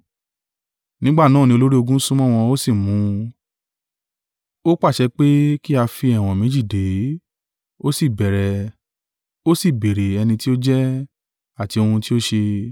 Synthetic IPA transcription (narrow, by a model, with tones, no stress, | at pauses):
nĩ˦ɡ͡ba˦˨nãː˦˨ĩ˧o˧lo˦ɾi˦o˧ɡũ˦sũ˦mɔ̃˦˨w̃ɔ̃˧o˦si˦˨mũ˨˦ | o˦k͡pa˦˨ʃɛ˧k͡pe˦ki˦a˧fi˧ɛ˦˨w̃ɔ̃˨mẽ˨˦d͡ʒi˦˨de˨˦ | o˦si˦˨bɛ˨ɾɛ˨˧ | o˦si˦˨be˨ɾe˨ɛ˧nĩ˧ti˦o˦d͡ʒɛ˦ | a˦˨ti˧o˧hũ˧ti˦o˦ʃe˧